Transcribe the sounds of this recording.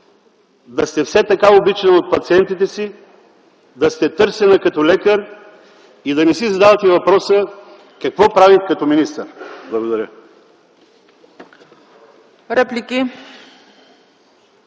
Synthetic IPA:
d̪ɐst̪ɛfsɛt̪ɐkaobit͡ʃɛnot̪̚pɐt̪siɛnt̪it̪ɛsi | d̪ɐst̪ɛt̪ɤɾsɛnɐkɐt̪ɔlɛkəɾ | id̪ɐnɛsizɐd̪avɐt̪ɛvɐpɾɔsə | kɐkvɔpɾavit̪kɐt̪ɔminist̪əɾblˠɐɡod̪ɐɾjə | ɾɛplʲikʲi

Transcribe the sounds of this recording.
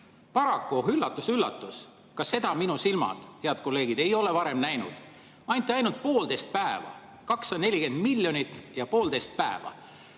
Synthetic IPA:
pɑɾɑkːuoɦylːɑt̪ːˑusylːɑ̰t̪ːˑus | kɑse̞d̪̥ɑminusilmɑ̰d̪̥heɑd̪̥̚ko̞lːe̞ːɡid̪̥e̞jo̞le̞vɑɾe̞mnæjnṵd̪̥ | ɑnʲt̪ːˑeɑjnult̪̚po̞ːld̪e̞jst̪̚pæevɑ̰ | kɑksɑne̞lʲike̞nd̪̥milʲːjo̞nʲit̪ːˑjɑpo̞ːld̪e̞jst̪̚pæevɑ̰

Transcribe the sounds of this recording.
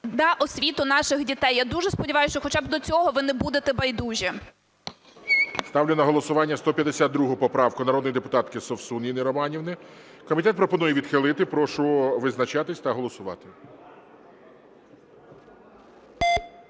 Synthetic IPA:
d̪ɐʔɔsʲʋʲit̪ʊnɑʃɪxdʲit̪ɛjːad̪uʒɛspɔdʲiʋɑjʊst͡ʃɔxɔt͡ʃɑbd̪ɔt͡sʲɔɦɔʋɪnɛbud̪et̪ɛbɐjd̪uʒʲɛ | st̪ɑwlʲɪnɐɦɔlˠɔsʊʋɑnʲːɐst̪ɔpʲjɐd̪esʲad̪̚d̪ɾuɦʊpɔpɾɑʋkʊnɐɾɔd̪jid̪epʊt̪ɑt̪kɪsɔwsunʲinɪɾɔmɑnʲiwnɪ | kɔmʲit̪ɛt̪pɾɔpɔnujɛʋʲid̪xɪlˠɪt̪ɪpɾɔʃʊʋɪznɐt͡ʃɑt̪ɪsʲt̪ɐɦɔlˠɔsʊʋɑ̰t̪ɪ

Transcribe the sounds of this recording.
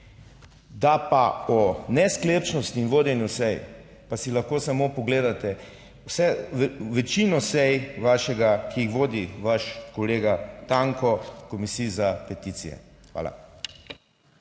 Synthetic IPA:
d̪apaɔnɛsklept͡ʃnɔst̪iːnʋoːd̪jɛnjusɛj | pasilaxkoːsamopɔɡleːd̪at̪ɛ | wsɛʋɛt͡ʃinɔsɛjʋaʃɛɡakʰiixʋoːd̪iʋaʃkɔleːɡat̪aŋkɔkɔmisiːzapɛt̪it̪sḭjɛ̰xʋa̰ːla̰

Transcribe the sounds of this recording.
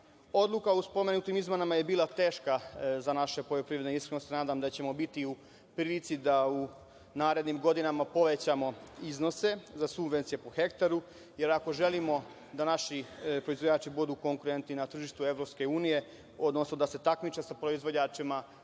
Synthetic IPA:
o̞d̪lˠukauspo̞me̞nut̪imizmenamaje̞biːlˠat̪e̞ːʃkazanaʃe̞po̞ʎopɾiːʋɾe̞d̪neiskɾenosnaːd̪amd̪at͡ɕe̞mo̞bit̪iu | pɾiːlit̪sid̪au | naːɾe̞d̪nimɡo̞d̪inamapo̞ʋe̞t͡ɕamo̞izno̞se̞zasubʋent̪sijepoxe̞kt̪aɾu | je̞ɾako̞ʒe̞limo̞ | d̪anaʃipɾo̞izʋo̞d͡ʑaːt͡ʃibud̪uko̞ŋkuɾe̞nt̪ninat̪r̩ʒiʃt̪ue̞ʋɾo̞pske̞uːnije̞ | o̞d̪no̞snod̪ase̞t̪akmit͡ʃesapɾoizvʋo̞d͡ʑaːt͡ʃima

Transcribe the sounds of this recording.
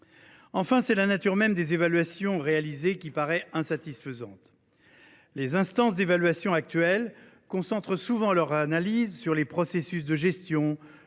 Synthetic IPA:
ɑ̃fɛ̃sɛlanat̪yʁmɛmd̪ezevalɥasjɔ̃ʁealizekʲipaʁɛɛ̃sat̪isfəzɑ̃t̪ | lezɛ̃st̪ɑ̃s̬d̪evalɥasjɔ̃ak̚t̪ɥɛl | kɔ̃sɑ̃t̪χəsuvɑ̃lœʁzanalizsyʁlepχɔsesysd̪əʒɛst̪jɔ̃

